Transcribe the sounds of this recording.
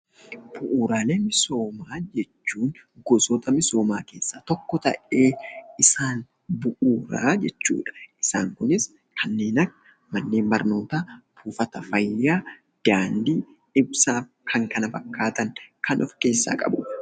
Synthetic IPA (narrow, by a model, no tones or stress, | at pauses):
b̥ʊʔuːɾaːleːmɪso̞ːmaːd͡ʒɛt͡ʃːuːŋɡɔsɔt̪ɐmɪso̞ːmaːke̞ːsːaːt̪ɔkːɔt̪ɐ̰ʔe̞ːɪsaːn | bʊʔuːɾa̰ːd͡ʒɛt͡ʃːṵːᶑɐ̥ʔɪsaːŋkʊnɪs | kʰɐnːeːnɐkː | mɐnːeːmbɐɾno̞ːt̪aːbuːfɐt̪ɐfɐjːaː | d̪̥aːnd̪iː | ɪbsaːf | kʰɐŋkɐnɐfɐkːaːt̪ɐŋkʰɐnʔɔfke̞ːsːa̰ːkʼɐ̰bʊ